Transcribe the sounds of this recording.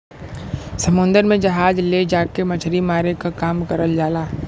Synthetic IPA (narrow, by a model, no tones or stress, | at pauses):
sɐmʊ̃nd̪əɾmẽd͡ʒɐɦaːd͡ʒled͡ʒaːkemɐt͡ʃʰɾimaːɾekakaːmkɐɾəld͡ʒaːlaː